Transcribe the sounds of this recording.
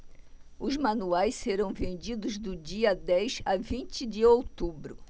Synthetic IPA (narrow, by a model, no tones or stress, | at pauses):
ʊzmɐ̃nuajsseɾɐ̃w̃vẽnd͡ʒid̪ʊzd̪ʊd͡ʒiɐd̪ɛjzavĩnt͡ʃɪd͡ʒɪowt̪ubɾʊ